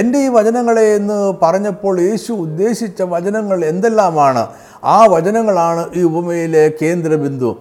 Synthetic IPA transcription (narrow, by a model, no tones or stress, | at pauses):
e̞nde̞iːʋɐt͡ɕɐnɐŋːɐɭeːnːɨpɐrɐɲːɐpːo̞ːɭje̞ːɕuːd̪ːe̞ːɕit͡ɕːɐʋɐt͡ɕɐnɐŋːɐɭe̞nd̪elːaːmaːɳɨ̰ | aːʋɐt͡ɕɐnɐŋːɐɭaːɳɨʔiːubɐmejile̞ke̞ːnd̪rɐbind̪ʱṵ